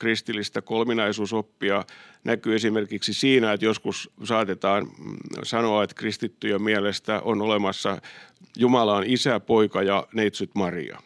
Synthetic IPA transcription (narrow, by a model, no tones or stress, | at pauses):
krist̪ilːist̪ækolminɑisuːsopːiɑnækyːesimerkiksisiːnæet̪joskussɑːt̪et̪ɑːnsɑnoɑet̪krist̪it̪ːyjemmiælest̪æ̰ʔonolemɑsːɑjumɑlɑnisæpoikɑjɑneit̪syt̪mɑrḭɑ̰